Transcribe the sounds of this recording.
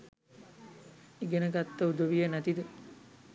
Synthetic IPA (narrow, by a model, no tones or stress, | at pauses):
eɡenəɡat̪ːəud̪oʋijənæt̪id̪ə